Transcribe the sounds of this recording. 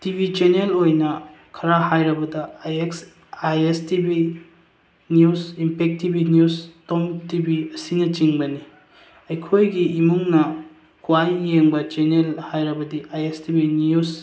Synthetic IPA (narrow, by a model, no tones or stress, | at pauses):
tibit͡ʃenelojnɐkʰɐɾahajɾɐbɐdɐeks | ajestibi | njusimpʰek̚tibinjustomtibiɐsinɐt͡ʃiŋbɐni | ɐjkʰojɡiːmuŋnɐ | kʰuwajːeŋbɐt͡ʃenelhajɾɐbɐdiʔajestibinjus